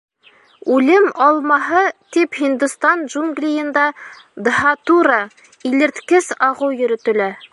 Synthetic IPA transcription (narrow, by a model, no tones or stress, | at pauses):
ʉlɘmɑlˠmɑɦɤt̪iphind̪ust̪ɑnʒuŋɡlʲijɤ̆nd̪ɑ | d̪ɦɑt̪uɾɑ | ilɘ̆ɾt̪kɘsɑʁɤwjɵ̆ɾɵ̆t̪ɵ̆læ